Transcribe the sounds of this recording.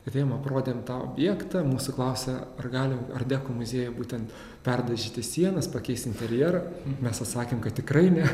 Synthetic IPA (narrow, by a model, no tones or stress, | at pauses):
ɐt̪ʲeːjomɐpɾoːd̪ʲeːmt̪ɑːo̰ːbʲjɛːkt̪ɐmuːsʊklˠɐʊsʲɛɐrɡɑːlʲɪɐrd̪ʲæːkoːmʊzʲeːjɛbuːt̪ʲɛnt̪ | pʲɛrd̪ɐʒʲiːt̪ʲɪsʲiɛnɐspɐkʲɛɪst̪ɪnʲt̪ʲɛɾʲjɛːɾɐmʲɛsɐt̪sɑːkʲeːmkɐt̪̚tʲɪkrɐɪnʲɛ